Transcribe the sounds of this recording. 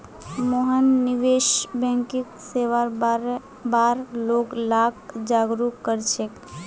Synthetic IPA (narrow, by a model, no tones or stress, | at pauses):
moɦənːiʋeʃbɛ̃ŋkikseʋaɾ | baɾloɡlak̚d͡ʒaɡɾukːəɾt͡ʃʰek